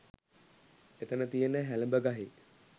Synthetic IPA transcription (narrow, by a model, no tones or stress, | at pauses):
et̪ənət̪ijənːəɦæləmbəɡaɦi